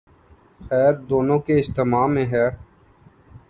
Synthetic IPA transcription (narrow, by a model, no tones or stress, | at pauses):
xɛːɾd̪oːnõːkeɪst̪emaːmẽːɦɛː